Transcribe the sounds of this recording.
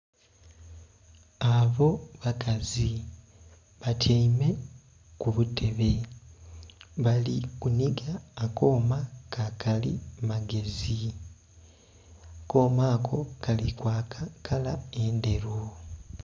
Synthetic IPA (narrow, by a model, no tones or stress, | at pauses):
aβo̞βakazi | βatʰeime̞ | kuβutʰe̞βe̞ | βalikuniɡaːko̞ːmakakʰalḭmaɡe̞zi | ko̞ːmaːkʰo̞kʰalikwakakʰalae̞nde̞ɾo